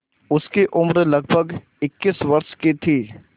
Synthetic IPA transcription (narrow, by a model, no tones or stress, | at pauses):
ʊskeʔʊmɾlɐɡbʱəɡ | ɪkːɪsʋɐɾʃket̪ʰiː